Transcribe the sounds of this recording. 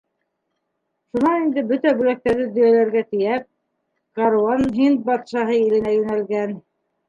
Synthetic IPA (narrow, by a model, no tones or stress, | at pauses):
ʃunɑnind̪ɘbɵt̪æbʉlæk̚t̪æɾðɘd̪ɵ̆jælæɾɡæt̪ɘ̆jæp̚ | kɑɾuɑnɦint̪̚bɑt̪ʃɑɦɤilɘ̆næjʉnælɡæn